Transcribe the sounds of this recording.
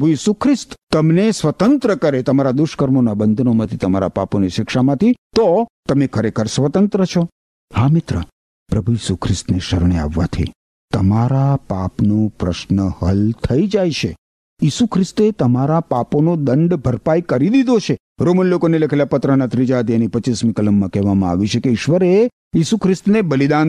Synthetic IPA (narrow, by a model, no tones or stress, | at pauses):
bʱujisukʰɾɪst̪t̪ːəmnesʋət̪ənt̪ɾəkəɾet̪əmaɾad̪ʊʃkəɾmonabənd̪ʱnomãt̪ʰit̪əmaɾa̰pa̰poniʃɪkʃamãt̪ʰit̪ot̪əmẽkʰəɾekʰəɾsʋət̪ənt̪ɾət͡ʃʰɔ | hamɪt̪ɾə̰ | pɾəbʱujisukʰɾɪst̪neʃəɾɳ̃ea̰ʋːa̰t̪ʰḭ | t̪əmaɾapapnõpɾəʃnəhəlt̪ʰəid͡ʒajt͡ʃʰe | jisukʰɾɪst̪et̪əmaɾapaponod̪ə̃ɳɖbʱəɾpajkəɾid̪id̪ʱot͡ʃʰe | ɾomənlokonelekʰelapət̪ɾənat̪ɾid͡ʒat̪ienipət͡ʃismĩkələmːãkɛɦʋamãa̰ʋit͡ʃʰekeɪʃʋəɾe | jisukʰɾɪst̪nebəlid̪an